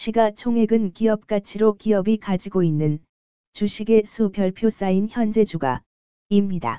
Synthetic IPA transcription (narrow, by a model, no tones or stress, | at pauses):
ɕʰiɡat͡ɕʰoŋɦe̞ɡɯnkiʌp̚k͈at͡ɕʰiɾokiʌbikad͡ʑiɡoinːɯn | t͡ɕuɕʰiɡe̞sʰubjʌɭpʰjos͈ainçjʌnd͡ʑe̞d͡ʑuɡa̰ | imɲida̰